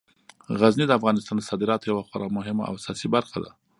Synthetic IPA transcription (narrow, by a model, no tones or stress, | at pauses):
ɣaznid̪əafɣɑnɪst̪ɑnd̪əsɑd̪ɪɾɑt̪ojawaxaɾamʊɦɪma̰a̰wasɑsibaɾxad̪a̰